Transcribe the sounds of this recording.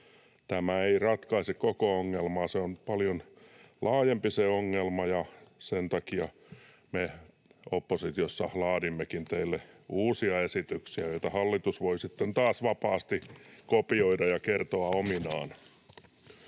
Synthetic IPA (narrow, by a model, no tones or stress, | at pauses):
t̪æmæeirɑt̪kɑisekkokooŋːelmɑːseonpɑljon | lʔɑːjempiseoŋːelmɑjɑsent̪ɑkiɑ | me | opːosit̪iosːɑlɑːdimːekint̪eilːeuːsiɑesit̪yksiæjoit̪ɑhɑlːit̪usʋoisit̪ːent̪ɑːsʋɑpɑːst̪ikopioidɑjɑkert̪oɑominɑːn